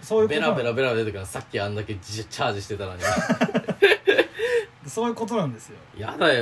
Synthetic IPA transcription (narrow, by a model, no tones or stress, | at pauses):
soːjiɯbeɾabeɾabe̞ɾabed̪et̪okʲinasakʲːiãnd̪ake̞t͡ɕaːd͡ʑiɕi̥t̪e̞t̪aɾaɲʲia | d̪esoːjɯ̟ːko̞t̪o̞nãnd̪e̞sɨjo̰ja̰d̪a